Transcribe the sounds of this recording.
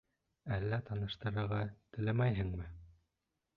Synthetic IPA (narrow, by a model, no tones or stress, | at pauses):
ælːæt̪ɑnɤ̆ʃt̪ɤ̆ɾɤ̆ɾʁɑt̪ɘ̆læmæjɦɘ̆ŋmɘ